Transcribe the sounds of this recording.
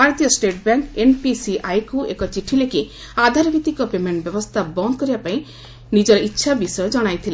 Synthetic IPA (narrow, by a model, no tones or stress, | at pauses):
baɾt̪ijɔsʈeʈbjaŋkenpisiʔajkuḛkɔt͡ʃiʈʰileki | ad̪ʱaɾɔbʱit̪ikɔpemeɳʈbjɔbɔst̪ʰabɔnd̪ʱɔkɔɾibapaĩ | nid͡ʒɔɾɔitːʃʰabisɔjɔd͡ʒɔɽ̃ajt̪ʰile